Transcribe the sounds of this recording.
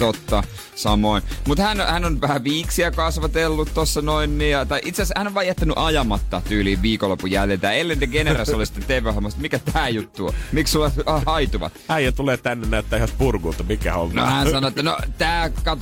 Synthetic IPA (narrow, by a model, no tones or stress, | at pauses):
t̪ot̪ːɑ | sɑmoinmut̪hænhænonʋæhæʋiːksiækɑsʋɑt̪elːut̪t̪osːɑnoinːijɑt̪ɑiʔit̪seshænoʋɑːjæt̪ːænyʔɑjɑmɑt̪ːɑt̪yːliːʋʋiːkolːopujæljelt̪æːelːenit̪eɡeneræsolisi̥t̪ːet̪t̪eʋˑøhomːɑst̪mikæst̪æːjut̪ːuo̰mikssulːɑɑhɑit̪uʋɑ̰t̪æijæt̪uleːt̪ænːennæøt̪ːæːhæspurɡuːt̪ːɑmikæholno̰hænsɑnoet̪ːæno̰t̪æːkɑt̪o